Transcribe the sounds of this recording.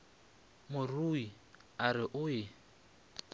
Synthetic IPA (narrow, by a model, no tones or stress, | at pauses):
mʊrui | aɾɪʔʊjɪ